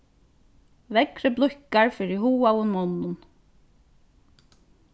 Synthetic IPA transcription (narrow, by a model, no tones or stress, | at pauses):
vɛkɾəblʊhkaɹfɪɾɪhuːawʊnmɔnːʊn